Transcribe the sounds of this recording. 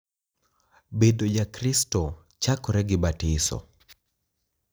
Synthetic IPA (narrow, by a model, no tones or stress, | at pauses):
bedod͡ʒakɾistɔ | t͡ʃakɔɾɛɡɪbatɪsɔ̰